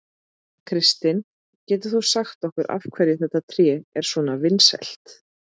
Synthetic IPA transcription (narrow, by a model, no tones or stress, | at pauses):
kʰɾɪst̪ɪn | cɛːt̪ʏ̥θusaxt̪ɔhkʏɾʔa̰v̥kʰvɛɾjɪθɛht̪ːat̪ʰɾjɛːɛɾ̥svɔːnavɪnsɛ̰l̥t̪